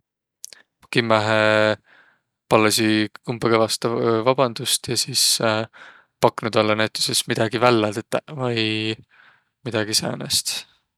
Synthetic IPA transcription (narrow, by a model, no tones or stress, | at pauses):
kimːæɦe | pɑlːɑsiumbeɡ̥evɑst̪ɑvɑb̥ɑnd̪̥ust̪jɑsiːs | pɑkːˑnud̪̥olːɑnæt̪ːˑu̥sesmid̪̥ɑɡivælːɑt̪t̪ːævɑj | mid̪̥ɑɡ̥isæ̰ːnḛst̪